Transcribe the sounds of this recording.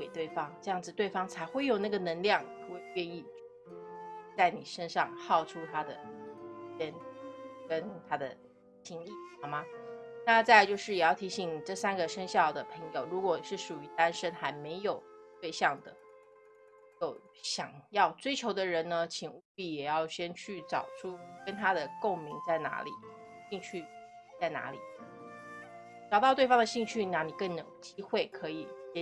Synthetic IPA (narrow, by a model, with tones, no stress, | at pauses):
we˨˩ɪt̪we˥˩ɪfɑ˥ŋʈ͡ʂɤ˥˧jɑ˥˩ŋd͡zɹ̩˨˩t̪we˥˩ɪfɑ˥ŋt͡sʰa˧˥ɪxwe˥˩ɪjo˨˩ʊna˥˩ɡə˩nə˧˥ŋljɑ˥˩ŋɤ˥˩we˥˧ɪɥɛ˥˧ni˥˧˥ | t͡sa˥˩ɪni˨˩ʂə˥nʂɑ˥˧ŋxɑ˥˩ʊʈ͡ʂʰu˥t̪ʰa˥d̪ə̰˨ | jɛ˥nkə˥nt̪ʰa˥d̪ə̰˨ | t͡ɕʰi˧˥ŋi˥˩ɑ˨˥˩ma˧˩na˥˧t͡sa˥˧ɪt͡ɕjo˥˧ʊʂɻ̩˥˩jɛ˨˩jɑ˥˩ʊt̪ʰi˧˥ɕi˨˩ŋni˨˩ʈ͡ʂɤ˥˩sa˥nɡə˨ʂə˥ŋɕjɑ˥˩ʊd̪ə˩pʰɤ˧˥ŋjo˨˩ʊɻu˧˥kwɔ˨˩ʂɻ̩˥˩ʂu˨˩y˧˥t̪a˥nʂə˥nxa˧˥ɪme˧˥ɪjo˨˩ʊt̪we˥˧ɪɕjɑ˥˩ŋd̪ə̰˩ | jo˨˩ʊ | ɕjɑ˨˩ŋjɑ˥˩ʊt͡swe˥ɪt͡ɕʰjo˧˥ʊd̪ə˧ɻə˧˥nnə˧t͡ɕʰi˨˩ŋu˥˧i˥˩jɛ˨˩jɑ˥˩ʊɕjɛ˥nt͡ɕʰy˥˩ʈ͡ʂɑ˨˩ʊʈ͡ʂʰu˥kə˥nt̪ʰa˥d̪ə˨ko˥˩ŋmi˧˥ŋt͡sa˥˩ɪna̰˧˥lḭ˨˩˦ | ɕi˥˧ŋt͡ɕʰy˥˩ | t͡sa˥˩ɪna̰˧˥lḭ˨˩˦ | ʈ͡ʂɑ˨˩ʊt̪ɑ˥ʊt̪we˥˩ɪfɑ˥ŋd̪ə˨˩ɕi˥˧ŋt͡ɕʰy˥˩na˥˩ni˨˩kɤ˥˩ŋno˨˩ʊt͡ɕi˥xwe˥˩ɪkʰɤ˧˥i˨˩ɛ˥